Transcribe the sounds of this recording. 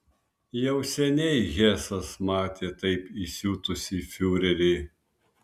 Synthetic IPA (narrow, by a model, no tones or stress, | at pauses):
jɛʊsʲɛnʲɛɪɣʲɛːsɐsmɑːt̪ʲeːt̪ɐɪpisʲuːt̪ʊsʲɪfʲuːɾʲɛɾʲɛɪ